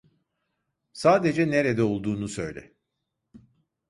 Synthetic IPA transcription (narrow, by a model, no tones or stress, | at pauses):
saːd̪e̞d͡ʒɛne̞ɾed̪ɛo̞lˠd̪uːnusø̞̰jlʲɛ̰